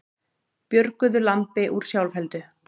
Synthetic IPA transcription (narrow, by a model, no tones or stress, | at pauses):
pjœɾkʏðʏlant̪ɪʔuɾ̥sjawlfɛlt̪ʏ